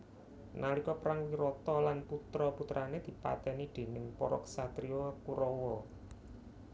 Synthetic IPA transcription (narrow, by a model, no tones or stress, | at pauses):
nalikɔpɾaŋwiɾɔt̪ɔlanput̪ɾɔput̪ɾʔaned̪̥i̤pa̰t̪ɛnid̪̥e̤nɪŋpɔɾɔ̰ksat̪ɾiokuɾɔwɔ